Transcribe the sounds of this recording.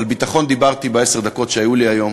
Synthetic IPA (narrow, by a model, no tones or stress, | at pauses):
albit̪aχo̞nd̪ibaʁt̪ibeese̞ʁd̪ako̞t̪ʃeajuliajo̞m